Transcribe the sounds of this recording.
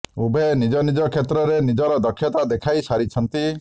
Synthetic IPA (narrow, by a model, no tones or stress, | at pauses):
ubʱenid͡ʒɔnid͡ʒɔkʰet̪ɾɔɾenid͡ʒɔɾɔd̪ɔkʰːjɔt̪ad̪ekʰajsaɾit͡ʃʰɔnt̪i